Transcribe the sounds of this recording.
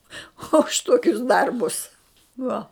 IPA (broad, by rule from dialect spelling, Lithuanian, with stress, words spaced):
ʊʃ ˈtoːkʲʊs ˈdɐrbʊs ˈʋuɔ